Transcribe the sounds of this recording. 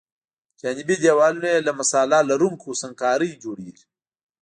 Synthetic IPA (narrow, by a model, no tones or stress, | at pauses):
d͡ʒaːnibid̪eːwaːluneelɐmɐsaːlalɐɾuŋkʰusɐŋkaːɾəjd͡ʒoːɽiːɾ